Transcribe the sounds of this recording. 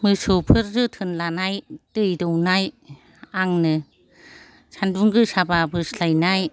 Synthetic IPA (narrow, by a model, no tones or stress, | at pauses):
mɯsupʰɯɾzɯtʰɯnlanajtɯjdɔwnaj | aŋnɯ | sanduŋɡɯsababɯslajnaj